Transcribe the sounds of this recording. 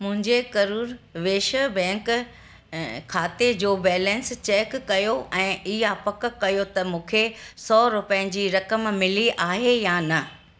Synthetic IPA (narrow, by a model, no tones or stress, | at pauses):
mʊ̃ɦɪ̃ɲd͡ʑekɐɾuːɾʋeːʃəbɛ̃ːŋk | kʰːaːt̪ed͡ʑoːbɛːlɛ̃nst͡ɕeːkːɐjoʔɛ̃ːʔiɦapɐk̆kɐjot̪ɐmũːkʰesɔːɾʊpjə̃d͡ʑiːɾɐkəmmɪliʔaːɦejaːnɐ